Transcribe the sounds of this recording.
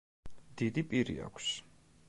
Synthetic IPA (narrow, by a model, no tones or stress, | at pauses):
d̪̥id̪ipʼiɾḭa̰kʰs